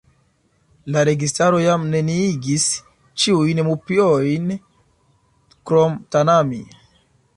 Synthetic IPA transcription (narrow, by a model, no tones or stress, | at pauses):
laɾe̞ɡistaɾo̞jamne̞niiɡis | t͡ʃiujnmupiojn | kɾomtanami